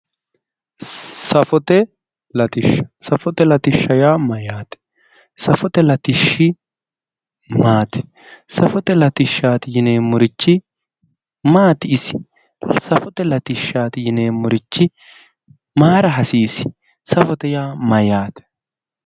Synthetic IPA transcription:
sɐfɔt̪ɛ | lɐt̪ɪʃːɐ̥sɐfɔt̪ɛlɐt̪ɪʃːɐjaːmɐjaːt̪ɛ̥ | sɐfɔt̪ɛlɐt̪ɪʃːɪ | maːt̪ɛ̥ | sɐfɔt̪ɛlɐt̪ɪʃːaːt̪ɪjɪne̞ːmʊɾɪt͡ʃːɪ | maːt̪ɪɪsɪ̥ | sɐfɔt̪ɛlɐt̪ɪʃːaːt̪ɪjɪneːmʊɾɪt͡ʃːɪ | maːɾɐɦɐsiːsɪ̥ | sɐfɔt̪ɛjaːmɐjaːt̪ɛ̥

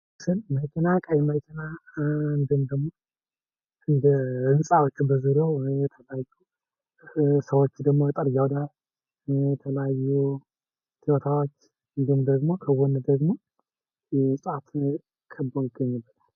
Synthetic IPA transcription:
sɨnməkʰinakʼajɛməkʰinaɨnd̪ɨmd̪əɡmo | ɨnd̪əɨnsʼawot͡ʃːbəzɨɾewjɛt̪ʰəljaju | səwot͡ʃːd̪əɡmojɛt̪ʼɨɾjawd̪al | ɛt̪ʰələjajːu | t̪ʰiwot̪ʰawot͡ʃː | ɨnd̪ɨmd̪əɡmo̞kʰəwɔnd̪əɡmo̞ | jɛsʼat̪ | kʰəbːojɪɡːəɲːɨbːət̪ʰal

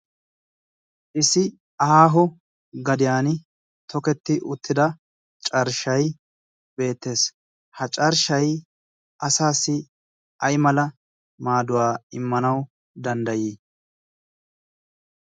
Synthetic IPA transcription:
ʔɪsɪ | ɐhaːɦɔ | ɡɐd̪ɪjaːnɪ | t̪ʰɔkɛt̪ːɪʔʊt̪ʰːɪd̪ɐ | t͡ʃʼɐɾʃɐj | be̞ːt̪ːe̞ːs | hɐt͡ʃʼɐɾʃɐj | ʔɐsaːsːɪ | ɐjmɐlɐ | maːd̪ʊwaːɪmːɐnɐw | d̪ɐnd̪ɐjiː

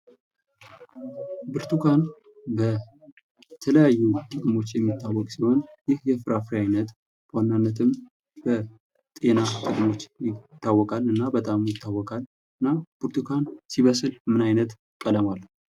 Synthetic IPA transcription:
bɨɾt̪ʰukʰan | bə | t̪ʰələjajːut̪ʼɨkʼmo̞t͡ʃːjɛmːit̪ːawːɔkʼsiho̞njɪhjɛfɨɾafɾiajnət̪ | b̥əwanːanːət̪ʰɨm | bə | t̪ʼe̞nat̪ʼɨkʼmo̞t͡ʃːjɪt̪ːawːɔkʼalɨnːabət̪ʼamjɪt̪ʰːawːɔkʼal | ɨnːab̥ɨɾt̪ʰukʰansiβəsɨlmɨnajnət̪ | kʼələmalː

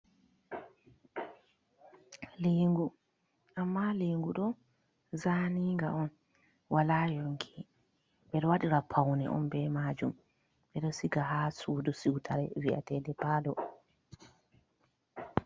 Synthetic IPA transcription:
leːŋɡu | ʔamːaleːŋɡuɗɔ | zaniŋɡa̰ʔɔn | walaːjɔŋkʰi | ɓɛɗɔwaɗiɾapʰawnɛ̰ʔɔ̰nbɛmaːd͡ʒum | ɓɛɗɔsiɡaɦaːsuːdɔsiwtʰaɾɛ̰viʔa̰tɛːdɛpaːlɔ

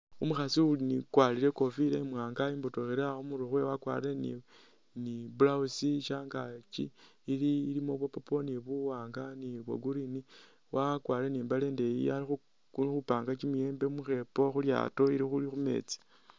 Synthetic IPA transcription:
umuxasiulinikwaːliɾe̞ko̞fileimwaːŋɡaimbotoxeɾeaomuɾuxwe̞wakwa̰ɾe̞nḭ | nibulausiʃaːŋɡat͡ʃḭːliːlimo̞βwopoponiβuwaːŋɡaniβwo̰ɡuɾini | wakwaɾeniːmbale̞ːnde̞jḭalixu | xupaːŋɡat͡ʃimujeːmbeumuxe̞po̞xulja̰ːto̞iɾixulixume̞̰t͡si̥

